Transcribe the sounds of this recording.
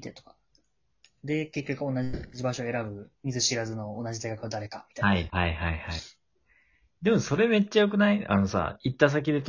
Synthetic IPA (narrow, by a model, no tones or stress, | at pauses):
t̪et̪o̥kḁ | d̪e̞ke̞kʲːo̞kɯ̟o̞nad͡ʑibaɕo̞e̞ɾabɯ̟mʲizɨɕiɾazɨno̞ːnaʑid̪ajkakɯ̟βad̪aɾe̞kamʲit̪ahaihaihaihai | d̪e̞mo̞so̞ɾe̞me̞t͡ɕːajo̞kɯ̟naia̰no̞sa̰it̪ːas̬ak̬ʲid̪e̞t̪